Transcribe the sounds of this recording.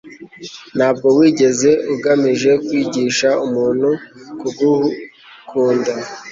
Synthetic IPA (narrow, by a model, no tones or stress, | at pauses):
n̥haːb̚ɡo̞wiːɟe̞ze̞uɡamiʒe̞kwiːɟiːʃaumuːn̤̥hukuɡu | kʰuːnda